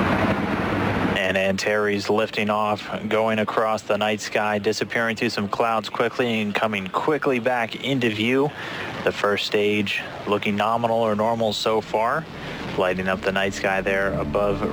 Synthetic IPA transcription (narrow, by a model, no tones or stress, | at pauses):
ɨ̃næ̃ntʰɛɹizlɪftɪ̃ŋɔfɡ̥oʊɪ̃ŋɨkʰɹ̥ɔsðənaɪtskaɪdɪsɨpʰɪɹɪ̃ŋθɹʉsʌ̃mkʰl̥aʊdz̥kʰw̥ɪkʰliɨ̃nkʰʌmɪ̃ŋkʰw̥ɪklibækɪ̃ntʉvjʉðɨfɜ˞steɪdd͡ʒ | lʊkɪ̃ŋnɑmənl̩ˠə˞nɔɹml̩ˠsoʊfɑɹ | laɪɾɪ̃ŋʌp̚ðɨnaɪtskaɪðə˞əbʌv